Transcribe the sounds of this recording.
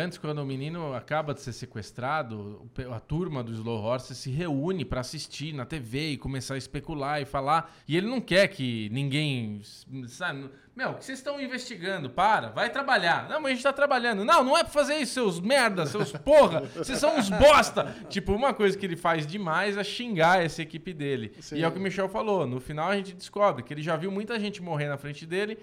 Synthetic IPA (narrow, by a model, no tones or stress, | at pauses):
ɐ̃nt͡ʃɪ̥skwɐ̃nd̪ʊʊminĩnʊakabɐd͡ʒɪseɾsekwest̪ɾad̪ʊpɐt̪uɾmɐd̪ʊɪzlohɔɾsesɪɦeunɪpɾɐasist͡ʃiɾnɐt̪eveɪkõmesaɐɪspekulaɪfala | ɪelɪnɐ̃w̃kɛɾkʰɪnĩŋɡẽj̃ | saɪ̃ | mewkɪ̥sezɪ̥st̪ɐ̃w̃ĩvest͡ʃiɡɐ̃nd̪ʊpaɾɐ̰vajt̪ɾabaʎaɾnɐ̃w̃mɐzɐẽt͡ʃɪt̪at̪ɾabaʎɐ̃nd̪ʊnɐ̃w̃nɐ̃w̃ɛpɾɐfazeɾisʊ̥sewzmɛɾd̪ɐssewspoɦɐsessɐ̃w̃ɪzbɔst̪ɐt͡ʃipʊũmɐkojzɐkɪelɪfajzd͡ʒɪmajzɛʃĩŋɡaesɪekipɪd̪elɪ̰ | ɪɛʊkɪmiʃɛwfalonʊfinawɐʒẽnt͡ʃɪd͡ʒɪskɔbɾɪkɪelɪʒaviwmũj̃t̪ɐʒẽnt͡ʃɪmoɦeɾnɐfɾẽnt͡ʃɪd̪elɪ